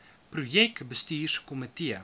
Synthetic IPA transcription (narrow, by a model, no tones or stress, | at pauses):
pɾujɛkbəstiːrkomitiə